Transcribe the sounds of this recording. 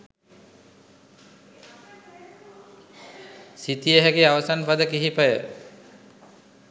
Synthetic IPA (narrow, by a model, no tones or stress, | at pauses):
sit̪ijəɦɛkiawasanpad̪əkiɦipajə̰